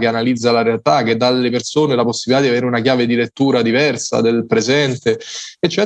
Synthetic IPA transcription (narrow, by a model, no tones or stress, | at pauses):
k̟eanalid̪zːalaɾealt̪ak̟ed̪ːalːepersoːnelaposːibilit̪ad̪iaveːɾeunakjaːved̪ilet̪ːuːɾad̪ivɛrsa̰d̪elpɾezɛnt̪eet͡ʃːɛ